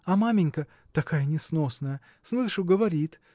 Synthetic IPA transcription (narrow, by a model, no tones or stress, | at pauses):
ɐmamʲɪnʲkə | t̪ɐkajənʲɪsno̞snəjə | slˠɨʂʊɡəvɐɾʲit̪